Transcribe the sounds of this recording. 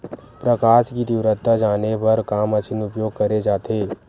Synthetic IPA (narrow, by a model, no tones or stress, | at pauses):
pɾəkaːʃkid̪iʋɾət̪ːad͡ʒaːnebɐɾkaːmət͡ʃʰɪnʊpjoːɡ̚kəɾed͡ʒaːt̪ʰeː